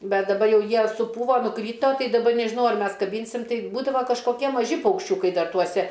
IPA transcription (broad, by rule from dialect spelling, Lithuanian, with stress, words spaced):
ˈbʲɛt dɐˈbɐ ˈjɛʊ ˈjiɛ sʊˈpuːʋoː nʊˈkrʲiːtoː ˈtɐɪ dɐˈbɐ nʲɛʒʲɪˈnɐʊ ɐr ˈmʲɛs kɐˈbʲiːnʲsʲɪm ˈtɐɪ ˈbuːdɐʋoː kɐʃkoːˈkʲiɛ mɐˈʒʲɪ pɐʊkʃʲˈt͡ʃʲʊkɐɪ ˈdɐr tuɔˈsʲɛ